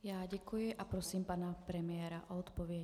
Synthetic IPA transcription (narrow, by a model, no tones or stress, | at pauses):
jaɟakujɛʔapɾɔsiːmpaːnapɾɛmɪɛːɾaʔɔɔt̪pɔʋɪɛ